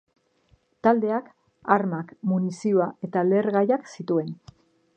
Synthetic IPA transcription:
t̪ald̪e̞ak | aɾmakmunisioaʔe̞t̪ale̞ɾɣajaksit̪ue̞n

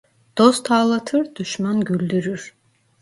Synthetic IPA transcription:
d̪̥ost̪ʰaːlˠat̪ʰɯɾd̪̥yʃmanɡylʲd̪yɾyɾ

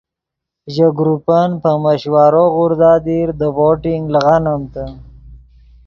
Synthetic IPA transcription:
ʒəɡɾupanpəməɕwaːɾoɣʊɾd̪ɑːd̪iɾd̪əwoʈiŋɡləɣanəmt̪ə

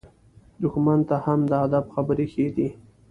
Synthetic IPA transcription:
d̪ʊxmant̪ahamd̪əad̪abxabəɾexed̪i

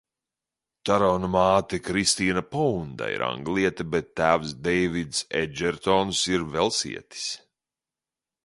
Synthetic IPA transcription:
t̪aɾɔwnamaːt̪ɛkɾist̪iːnapɔund̪a̰ḭɾa̰ŋɡlˠiɛt̪ɐbɛt̪ːæːvsd̪ɛjvid̪sɛ̰d͡ʒɛɾt̪ɔnsiɾvɛlˠsḭɛt̪i̥s

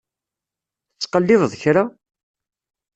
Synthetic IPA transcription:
ət͡sːqəlːɪðˤðˤçɾa

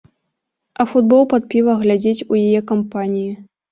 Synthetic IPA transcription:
ɐfud̪̚bɔlˠpɐt̪̚pʲivɐɣlʲad͡zʲet͡sʲujajɛkampanʲiji

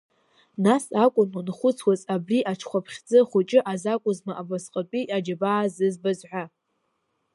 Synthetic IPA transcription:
nasakʷʼʊnwanχʷʊt͡sʰwazabriʔaʈ͡ʂʰχʷapʰχʲd͡zɨχʷʊt͡ʃʼɪʔazakʷʼʊzmaʔabasqʼat͡pʼiʔad͡ʒabaːzɨzbazʕʷa

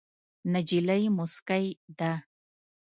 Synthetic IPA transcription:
nad͡ʒilajmʊskajd̪a

